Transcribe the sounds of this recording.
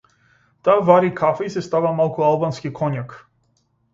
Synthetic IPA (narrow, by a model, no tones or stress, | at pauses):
t̪aːvaɾikʰafɛisɛst̪avamalˠkualˠbanskikʰɔɲak